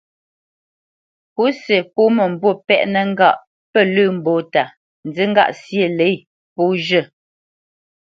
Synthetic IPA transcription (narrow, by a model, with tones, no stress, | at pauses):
pu˨˦se˨po˦mə˨m̩˨bwo˦˨pɛ˦ʔnə˦ŋ̩˦ɡa˦˨ʔ | pə˦˨lʉː˦˨m̩˨bo˨˦ta˨ | n̩˨d͡zi˦ŋ̩˦ɡa̰˦˨ʔsje˦˨le˨˦j | po˨˦ʒə˦˨